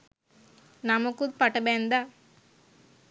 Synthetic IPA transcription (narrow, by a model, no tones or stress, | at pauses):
namukud̪̚pɐʈɐbeːnd̪a